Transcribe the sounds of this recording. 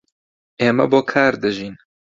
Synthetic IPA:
eːmɛ̰boːkʰaːɾd̪ɨʒiːn

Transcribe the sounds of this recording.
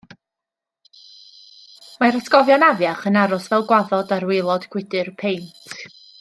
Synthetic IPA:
maɾasɡɔvjanavjaχənaɾʊsvɛlˠɡwaðɔdaɾwɪlˠɔd̥ɡ̥ʰwɪdɨrpʰejntʰ

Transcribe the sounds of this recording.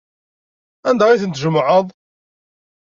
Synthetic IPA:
ænd̪æʁiθənt̪ʒəmːʕəðˤ

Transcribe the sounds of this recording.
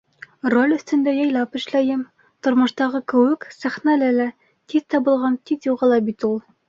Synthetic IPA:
rolʲɵ̆θt̪ɵ̆nd̪æjɑjlˠɑpɘ̆ʃlæjɘm | t̪ŏɾmŏʃt̪ɑʁɤkɘ̆wɘksæχnælɘlæ | t̪iðt̪ɑbɤ̆lˠʁɑnt̪iðjuʁɑlˠɑbit̪ulˠ

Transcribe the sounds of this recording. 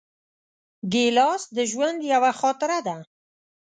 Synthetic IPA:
ɡelɑsd̪əʒwand̪jawaxɔt̪ɪɾad̪a

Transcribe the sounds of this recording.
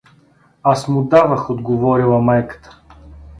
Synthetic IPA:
asmʊd̪avəxod̪ɡovɔɾilˠɐmajkə̥t̪ə̥

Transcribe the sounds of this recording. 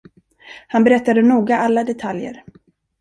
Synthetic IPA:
hanbɛɾɛt̪ːad̪ənuːɡaʔalːad̪ɛt̪ʰaljə̰ɾ

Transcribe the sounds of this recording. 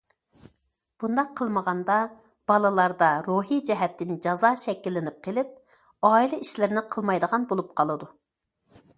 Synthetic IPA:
b̥und̪ɑqʰːəlˠməʁɑnd̪ɑ | b̥ɑlˠɨlˠɑɾd̪ɑɾoɦid͡ʒɛɦɛt̪ʰːɪnd͡ʒɑzɑʃɛkʲːilːɪnɪp̚qʰelɪp̚ | ɑːilˠɪiʃlɪɾnɪqʰəlˠmɑjd̪əʁɑnbolˠup̚qʰɑlˠɨd̪u

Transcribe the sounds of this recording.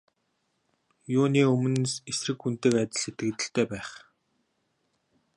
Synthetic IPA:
jʊːniːɵmɵ̆nsesrɘ̆kxunt̪ɘ̆kæt̪ʲɪ̆ɮset̪ɡɘ̆kt̪ɘ̆ɬt̪eːpæːχ

